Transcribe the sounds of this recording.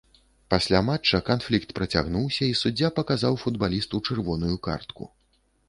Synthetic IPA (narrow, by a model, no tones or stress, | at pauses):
pasʲlʲamat͡ʂːɐkanflʲikt̪pɾɐt͡sʲa̰ɣnuwsʲɐisud͡zʲːapɐkazawfud̪balʲist̪ut͡ʂɛrvɔnujuka̰rt̪kṵ